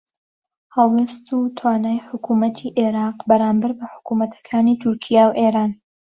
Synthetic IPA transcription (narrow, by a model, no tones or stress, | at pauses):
hɑlˠweːst̪ut̪ʰwaːnaːjħʊkumɐt̪ʰiːʔeɾaːqbɐɾaːmbɐɾbɐħʊ̥kumɐt̪ʰɐ̥kʰaːniːt̪ʰʊɾkʰijawʔeːɾaːn